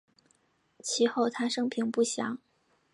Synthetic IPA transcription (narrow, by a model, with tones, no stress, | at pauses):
t͡ɕʰi˧˥xo˥˩ʊt̪ʰa˥ʂɤ˥ŋpʰi˧˥ŋpu˥˩ɕjɑ˧˥ŋ